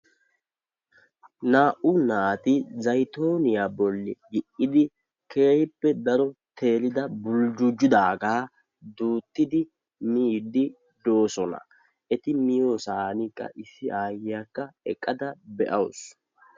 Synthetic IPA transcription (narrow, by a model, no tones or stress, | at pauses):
naːʔʊnaːt̪ɪzɐjt̪o̞ːnɪjaːbɔlːɛjɪʔːɪd̪ɪ | kʰe̞ːhɪpːɛd̪ɐɾɔt̪ʰe̞ːlɪd̪ɐbʊld͡ʒʊd͡ʒʊd̪aːɡaː | d̪uːt̪ːɪd̪ɪ | miːd̪ɪ | d̪o̞ːsɔnɐ̰ | ʔɛt̪ɪmɪjoːsaːnɪkʼːɐ̰ʔɪsːɪʔaːjakːɐɛkʼːɐd̪ɐbɛʔɐws